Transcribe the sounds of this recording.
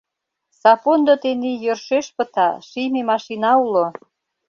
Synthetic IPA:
sɑpond̪ot̪enijørʃeʃpə̆t̪ɑ̰ʃijmemɑʃinɑulo

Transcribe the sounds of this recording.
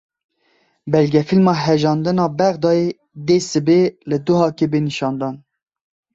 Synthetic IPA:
bɛlɡʲɛfilmɑːɦɛʒɑːnd̪ɨnɑːbɛɣd̪ɑːe | d̪eːsɨbeːlɨd̪ʊɦɑːkebeniʃɑːnd̪ɑːn

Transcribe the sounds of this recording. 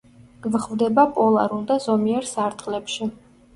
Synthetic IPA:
ɡ̥vχvd̪ɛbapʼɔlˠa̰ɾund̪azɔmiɛɾsaɾt̪ʼχʼlɛpʃi

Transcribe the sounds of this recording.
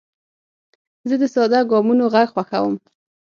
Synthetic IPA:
zəd̪əsɑd̪ɑɡɑmunoɣaɡxwaxawəm

